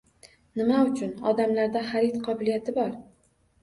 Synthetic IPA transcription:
nɪmaʊt͡ʃʰʊnɒ̰d̪amlaɾd̪aχaɾit̪qʰɒbʊlijat̪ʰɪbɒɾ

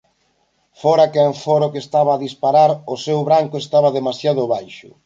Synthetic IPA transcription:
fɔɾakaɱfɔɾokest̪aβ̞aːðispaɾaɾosewβɾaŋkoest̪aβ̞aðemasjaðʊβajʃʊ̰

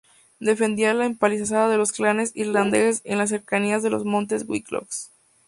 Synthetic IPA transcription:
d̪e̞fe̞nd̪ialaempalisas̬aðaðe̞lo̞sklane̞siɾland̪e̞se̞nlas̬ːe̞ɾkaniazðe̞lozmõ̞nt̪e̞zwḭklo̰ks

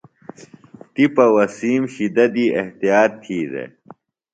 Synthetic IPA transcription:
t̪ipɐwɐsiːmɕid̪ɐd̪ieht̪ijaːt̪ʰːiːd̪ḛ

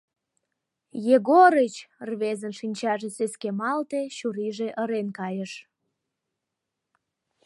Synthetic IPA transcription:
jeɣoɾət͡ɕrβezənʃinʲt͡ɕɑʒeseskemɑlt̪eɕuɾiʒeʔəɾenkɑjəʃ

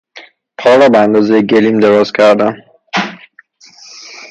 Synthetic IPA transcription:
pʰɒːɾɒːbeænd̪ɒːzejeɟeliːmd̪eɾɒːz̥cʰæɾd̪æn

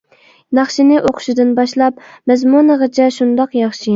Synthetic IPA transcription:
nɑχʃinɪʔoqʰʊ̥ʃɪd̪ɨnbɑʃlˠɑp̚mɛzmunəʁət͡ʃʰɛʃund̪ɑqjɑχʃi

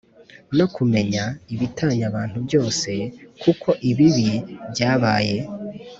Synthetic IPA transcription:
no̞kume̞ɲaiβitaːɲaβaːn̥hubɟo̞ːse̞kukʰo̞ʔiβiβibɟaːβaːje̞

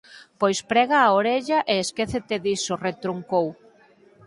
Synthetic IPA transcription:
pojspɾɛɣaːoɾeʎɐʔeeskeθet̪eðisoret̪ɾuŋkow

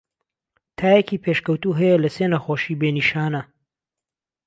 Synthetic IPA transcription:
t̪ʰaːjekiːpʰeʃkɐwt̪uːɦɐjɐlɐseːnɐxoːʃiːbeːniʃaːnɐ

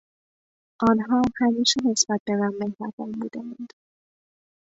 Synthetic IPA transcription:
ʔɒːnɦɒːhæmiːʃene̞sb̥æt̪̚bemænmehɾævɒmbuːd̪æænd̪̥

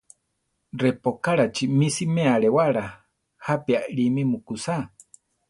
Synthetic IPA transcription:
rɛpokaɺat͡ʃimisimeaɺewaɺa | hapiaʔɺimimukusa

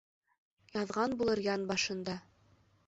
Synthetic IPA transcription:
jɑðʁɑnbulˠɤɾjɑnbɑʃɤ̆nd̪ɑ

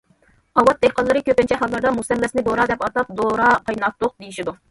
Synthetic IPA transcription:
ɑwɑt̪̚d̪ɛhqɑlˠːɨɾɨkʲøpɪnt͡ʃʰɛɦɑlˠːɑɾd̪ɑmusɛlːɛsɪnɪd̪oɾɑd̪ɛpɑt̪ɑp̚d̪oɾɑqɑjnɑt̪ːʊq̚d̪ejiʃid̪u

